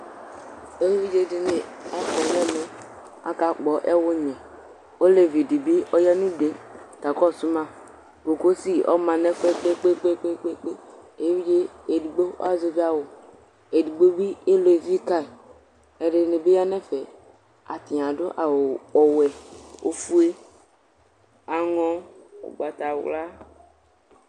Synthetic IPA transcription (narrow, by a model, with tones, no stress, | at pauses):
e˦wvi˦d͡ʒe˦di˨ne˨a˦kɔ˨jɛ˦mɛ˨ | a̰˨ka˨k͡pɔ˨ʔɛ˦wʊ˦ɲɛ̃˨ | o˦le˨vi˨di˨bi˦ɔ˦ja˦nũ˦de˨˦ka˨kɔ˦˨su˦mã˦ | ko˨ko˦si˦ɔ̰˦mã˨nɛ˦fe˦k͡pe˦k͡pe˦k͡pe˦k͡pe˦k͡pe˦k͡pe˦e˦vi˦d͡ʒe˦e˨di˨ɡ͡bo̰˦a˦zo˨vi˦a˦wo˨ | e˨di˨ɡ͡bo˦bi˦e˦lo˨e˨vi˦ka˦e˨ | e˨ɖe˨ne˨be˦ja˦nɛ̃˦fe˨ | a̰˨t̪i˨ã˨ɖo̰˦ʔa˨ɔ˨wɛ˨o˦fu˦e˦ | a˨ŋɔ̃˦o̰˨ɡ͡ba˨t̪a˨wla˦